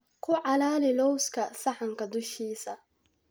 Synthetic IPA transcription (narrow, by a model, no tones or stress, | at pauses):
kʰʊʕɑlaːlɪlɔwskʰɐsɐħaŋkʰɐd̪ʊʃiːsɐ